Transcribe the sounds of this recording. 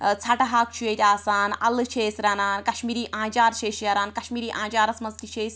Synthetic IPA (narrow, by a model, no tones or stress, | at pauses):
t͡sʰɐʈɦaːkt͡ʃʰujet̪ʲaːsaːnɐlɨt͡ʃʰeːsɾanaːnkɐʃmiːɾiːʔãːd͡ʒaːɾʃʰeːʃjɐɾaːnkɐʃmiːɾiːʔãːd͡ʒaːɾɐsmɐzt̪it͡ʃʰeːsʲ